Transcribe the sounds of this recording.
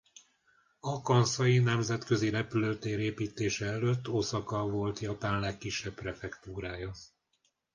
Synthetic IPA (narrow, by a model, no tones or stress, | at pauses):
ɒkɒnsɒjinɛmzɛt̪kø̞ziɾɛpyløt̪eːɾeːpiːt̪eːʃɛɛløt̪ːosɒkɒvo̞lt̪jɒpaːnlɛkːiʃːɛpprɛfɛkt̪uːɾaːjɒ